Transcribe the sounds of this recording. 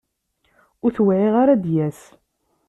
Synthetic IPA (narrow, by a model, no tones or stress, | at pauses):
ʊɾθwʕiʁaɾad̪jæs